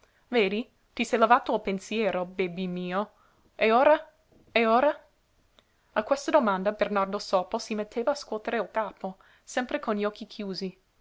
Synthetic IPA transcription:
veːd̪i | t̪isɛjlavaːt̪oːlpensjɛːɾobɛbːimiːo | eoːɾa | eoːɾa | akwest̪ad̪omand̪abernard̪osɔːposimet̪ʰːeːvaːskwɔːt̪eɾeolkaːpo | sɛmpɾekonʎɔkʰːikʰjuːzi

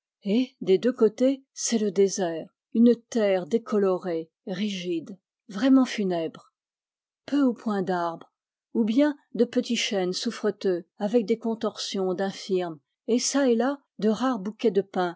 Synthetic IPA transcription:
ed̪ed̪økot̪esɛləd̪ezɛːʁ | ynət̪ɛʁd̪ekʰɔlɔʁe | ʁiʒid̪ | vʁɛmɑ̃fynɛbʁ | pøupwɛ̃d̪aʁbʁ | ubjɛ̃d̪əpət̪iʃɛnsufχət̪øavɛk̚d̪ekɔ̃t̪ɔʁsjɔ̃d̪ɛ̃fiʁm | esaɛla | d̪əʁaʁbukʲɛd̪əpɛ̃

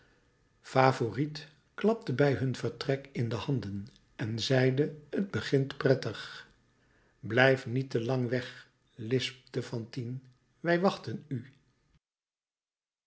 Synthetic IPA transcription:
faːvorit | klɑp̚təbɛjɦɵnvəɹtrɛkɪndəhɑndən | ɛnzɛjdəəd̚bəχɪntprɛtəχ | blɛjfnitəlɑŋʋɛχ | lɪsp̚dəfɑntin | ʋɛjʋɑχtəny

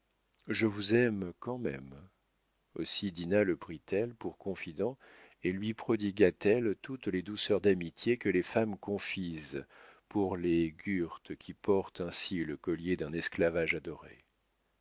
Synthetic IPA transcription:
ʒəvuzɛmkɑ̃mɛ̰m | osid̪inaləpχit̪ɛlpuʁkɔ̃fid̪ɑ̃ | elɥipχɔd̪iɡat̪ɛlt̪ut̪led̪usœʁd̪amit̪jekəlefamkɔ̃fizpuʁleɡʲyʁt̪kʲʰipɔʁt̪ɛ̃siləkɔljed̪ɛ̃nɛsklavaʒad̪ɔʁḛ

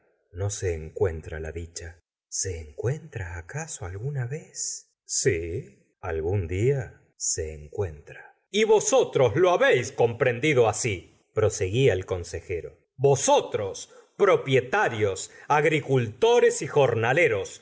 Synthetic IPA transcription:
no̞seːŋkwent̪ɾa̰la̰ðit͡ʃa | seːŋkwe̞nt̪ɾaːkasoalɣunaβes | si | a̰lɣund̪ia | seːŋkwent̪ɾa | iβo̞sot̪ɾosloaβejsko̞mpɾe̞nd̪iðo̞asi | pɾo̞se̞ɣiaelko̞nsexe̞ɾo | βo̞sot̪ɾos | pɾo̞pje̞t̪aɾjosaɣɾikult̪o̞ɾe̞sixo̞ɾnaleɾo̞s

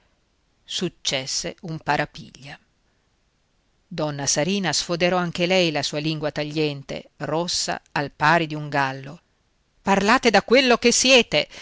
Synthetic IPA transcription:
sut͡ʃːɛsːeumpaɾʔapḭʎːa | d̪ɔnːasaɾiːnasfod̪eɾɔaŋk̟elɛjlasuːaliŋɡwat̪aʎːɛnt̪ḛrosːa̰alpaːɾed̪iuŋɡalːo | parlaːt̪ed̪akːwelːok̟esːjɛːt̪e

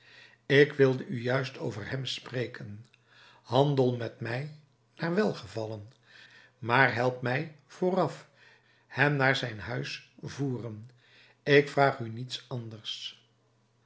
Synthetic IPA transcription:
ɪkʋɪlˠdəyjœɥstowvəɹɦɛmsprejkʰən | hɑndəlˠmɛtmɛj | naːɹʋɛlˠχəvɑlən | maːɹɦɛlˠpmɛj | v̥oːrɑf | hɛmnaːɹzɛjnɦœɥsvuːrən | ɪkfraːχynitsɑndərs

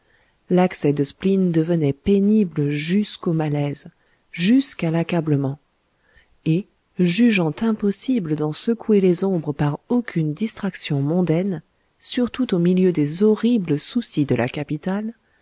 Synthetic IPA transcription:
laksɛd̪əsplind̪əvənɛpenibləʒyskomalɛz | ʒyskalakabləmɑ̃ | e | ʒyʒɑ̃t̪ɛ̃pɔsibləd̪ɑ̃səkuelezɔ̃bʁəpaʁokʰʲynd̪ist̪χaksjɔ̃mɔ̃d̪ɛn | syʁt̪ut̪omiljød̪ezɔʁibləsusid̪əla̰kapit̪al

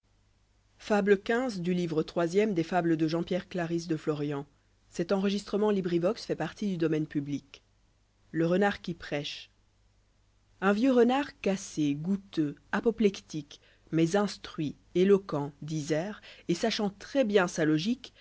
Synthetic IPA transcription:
fabləkʲɛ̃zd̪ylivʁət̪χwazjɛmd̪efabləd̪əʒɑ̃pjɛʁklaʁis̬d̪əflɔʁjɑ̃ | sɛt̪ɑ̃ʁəʒist̪χəmɑ̃libʁivɔksfɛpaʁt̪id̪yd̪ɔmɛnpyblik | ləʁənaʁkʲipχɛʃ | ɛ̃vjøʁənaʁkaseɡut̪øapɔplɛkt̪ik | mɛzɛ̃st̪χɥi | elɔkɑ̃d̪izɛːʁesaʃɑ̃t̪χɛbjɛ̃salɔʒik

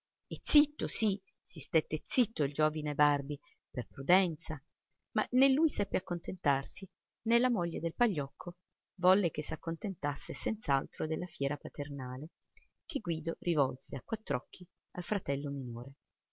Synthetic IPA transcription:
et̪sːit̪ːosi | sist̪et̪ːet̪sːit̪ːoild͡ʒoːvinebarbi | perpɾud̪ɛnt̪sa | ma̰nelːujsɛpːeakːont̪ent̪arsi | nelːamɔʎːed̪elpaʎːɔkʰːo | vɔlːek̟esːakːont̪ent̪asːesɛnt̪saalt̪ɾod̪elːafjɛːɾapat̪ernaːle | keɡwiːd̪orʔivɔlseakːwat̪ːɾɔkʰːi | a̰lfɾat̪ɛlːominoːɾe

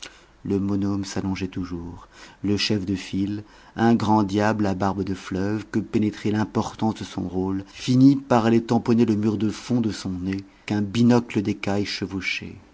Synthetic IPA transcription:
ləmɔnɔmsalɔ̃ʒɛt̪uʒuːʁləʃɛfd̪əfil | ɛ̃ɡʁɑ̃d̪jablabaʁbd̪əflœvkəpenet̪χɛlɛ̃pɔʁt̪ɑ̃sd̪əsɔ̰̃ʁolfinipaʁalɛt̪ɑ̃pɔneləmyʁd̪əfɔ̃d̪əsɔ̃ne | kɛ̃binɔkləd̪ekajʃəvoʃḛ

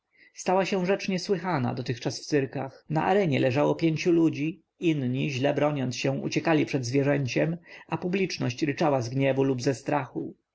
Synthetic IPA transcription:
st̪awaɕɛ̃ʐɛt͡ʂɲɛswɘxana̰d̪ɔt̪ɘxt͡ʂasft̪sɘɾka̰xna̰ʔa̰ɾɛɲɛlɛʐawɔpʲjeɲt͡ɕulud͡ʑi | inɲiʑlɛbɾɔɲɔnsɕɛ̃w̃ṵt͡ɕɛkalʲipʂɛd̪zvʲjɛʐɛɲt͡ɕɛmapublʲit͡ʂnɔ̰ɕt͡ɕɾɘt͡ʂawazɡɲɛvulubzɛst̪ɾaxu

